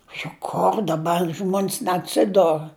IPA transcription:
jʊk ˈkoːr dɐˈbɐr ˈʒmoːnʲs nʲɛɐtʲˈsʲɪdoːr

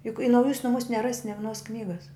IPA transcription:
jʊk ɪ nɐʊˈjuːs nʊˈmuːs nʲɛˈrɑːsʲɪ nʲɛ ʋʲɪˈnoːs ˈknʲiːɡɐs

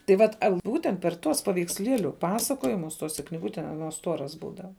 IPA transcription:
tɐɪ ˈʋɐt ˈbuːtʲɛnt pʲɛr ˈtuɔs pɐʋʲɛɪksʲˈlʲiɛlʲʊ ˈpɑːsɐkoːjɪmʊs ˈtoːsʲɛ knʲɪˈɡʊtʲɛ ɐˈnuɔs ˈstuɔrɐs ˈbuːdɐʋɐ

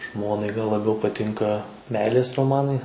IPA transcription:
ˈʒmoːnɐɪ ɡɐlˠ lˠɐˈbʲɛʊ pɐˈtʲɪŋkɐ ˈmʲɛɪlʲeːs roːˈmɑːnɐɪ

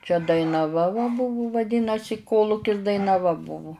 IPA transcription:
t͡ʃʲɛ dɐɪnɐˈʋɐ ʋɐ ˈbʊʋʊ ʋɐˈdʲiːnɐsʲɪ ˈkoːlˠʊkʲɪs dɐɪnɐˈʋɐ ˈbʊʋʊ

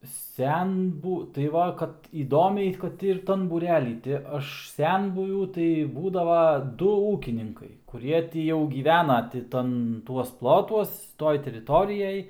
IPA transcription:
ˈsʲɛnbuː tɐɪ ˈʋɐ kɐt iːˈdoːmʲɛɪ ˈkɐt ɪr ˈtɐn buːˈrʲæːlʲiː tʲɪ ˈɐʃ ˈsʲɛnbʊʋʲuː tɐɪ ˈbuːdɐʋɐ ˈdʊ ˈuːkʲɪnʲɪŋkɐɪ kʊˈrʲiɛ ˈtʲiː jɛʊ ɡʲiːˈʋʲæːnɐ tʲɪ ˈtɐn ˈtuɔs ˈplˠoːtuɔs ˈtoːj tʲɛrʲɪˈtoːrʲɪjɛj

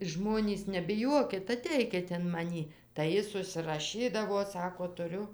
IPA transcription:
ˈʒmoːnʲiːs nʲɛbʲɪˈjuɔkʲɪt ɐˈtʲɛɪkʲɪt ɪn mɐˈnʲiː tɐɪ ˈjɪs ʊʃʲsʲɪrɐˈʃʲiːdɐʋoː ˈsɑːkoː tʊˈrʲʊ

